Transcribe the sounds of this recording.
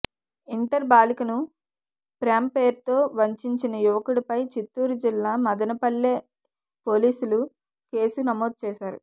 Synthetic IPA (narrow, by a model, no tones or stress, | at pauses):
iɳʈɐɾbaːlikɐnu | pɾaːmpe̞ːɾt̪o̞ːʋɐɲt͡ʃiɲt͡ʃinɐjuʋɐkuɽɐpɐjt͡ʃit̪ːuːɾud͡ʒilːaːmɐd̪ɐnɐpɐɭːeː | po̞ːliːsulu | ke̞ːsunɐmoːd̪̚t͡ʃɛːʃaːɾṵ